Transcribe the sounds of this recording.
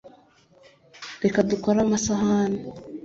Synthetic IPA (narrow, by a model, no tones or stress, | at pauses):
ɾekadukoɾamasahane